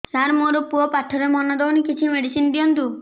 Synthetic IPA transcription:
t̪aɾmoɾupuɔpaʈʰɔɾemɔnɔd̪ɔwnikit͡ʃʰimeɽisind̪ijɔnt̪u

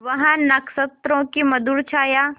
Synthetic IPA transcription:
ʋɐɦãnɐksət̪ɾõːkimɐd̪uɽt͡ʃʰaːjaː

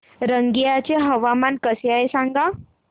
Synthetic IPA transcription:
ɾəŋɡijat͡ɕeɦəʋamankəseaesãŋɡa

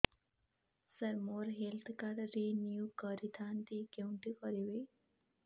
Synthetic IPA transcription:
səɾmoɾɦelt̪ʰkaɾɾinjukəɾit̪ʰant̪ikewɳʈikɔɾiʋe

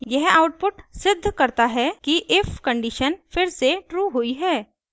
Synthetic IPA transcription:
jɛɦaːʊʈ̚pʊʈsɪd̪ʱːkɐɾt̪aɦɛkiʔɪfkə̃ɳɖiʃənfɪɾseʈɾuːɦʊiɦɛː

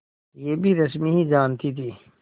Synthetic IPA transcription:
jeːbʱiɾɐs̬miɦizaːnt̪ʰit̪ʰiː

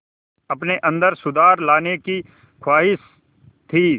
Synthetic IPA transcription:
ɐpneʔɐ̃nd̪əɾsʊd̪aːɾlaːneki | kʰwaːɦɪs | t̪ʰiː

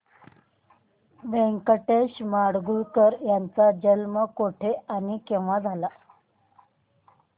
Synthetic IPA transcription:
ʋẽŋkəʈeɕmaɽɡuɭkəɾjant͡sad͡ʑəlməkoʈʰeanikeʋʋad͡zʱala

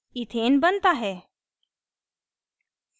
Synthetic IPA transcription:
it̪ʰenbənt̪aɦɛ

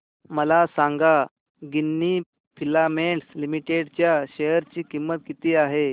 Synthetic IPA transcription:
məlasãŋɡa | ɡinːi | pʰilameɳʈslimiʈeɽt͡ɕjaɕejəɾt͡ɕiːkimːət̪kit̪iːaɦe

